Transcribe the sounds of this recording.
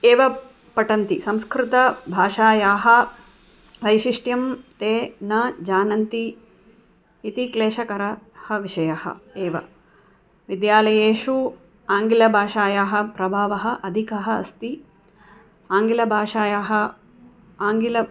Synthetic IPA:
eːʋɐ | pɐʈɐnt̪isɐmskɾɪt̪ɐbʱaːʂaːjaːɦɐ̆ | ʋɐjʃiʂʈjɐmt̪eːnɐd͡ʒaːnɐnt̪i | t̪ikleːʂɐkɐɾɐhɐʋiʂɐjɐhɐ̰eːʋɐ̰ | ʋid̪jaːlɐjeːʂu | aːŋɡilɐbʱaːʂaːjaːɦɐ̆pɾɐbʱaːʋɐɦɐ̆ʔɐd̪ʱikɐɦɐɐ̰st̪i | aːŋɡilɐbʱaːʂaːjaːɦɐ | aːŋɡilɐ

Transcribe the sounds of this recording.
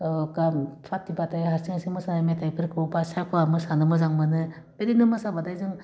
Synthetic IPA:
kampʰatːibatajɦaɾsiŋasiŋmɯsanajmetajpʰɯɾkʰɯwbasajkʰɯamɯsanɯmɯzaŋmɯnɯ | b̥eɾinɯmasabadajzɯŋ

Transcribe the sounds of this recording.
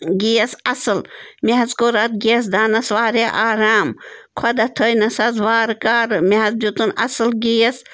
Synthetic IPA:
ɡijɐsɐsɨlmeɦɐzkoːɾɐt̪̚ɡiɐs̬d̪aːnɐsʋaːɾeʔaːɾaːmkʰɐd̪ɐt̪ʰəjnɐsɐzʋaːɾkaːɾmeɦɐzd͡ʒut̪unɐ̰sɨlɡiːɐs

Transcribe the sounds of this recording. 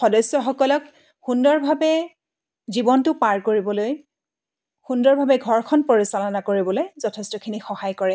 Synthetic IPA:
xɔdɔsjɔxɔkɔlɔk | xundɔɹbʱabɛ | zibɔntʊpaɹkoɹibɔloj | xundɔɹbʱabɛɡʱɔɹkʰɔnpoɹisalɔnakoɹibɔlojzɔtʰɛstɔkʰinixɔhajkɔɹɛ

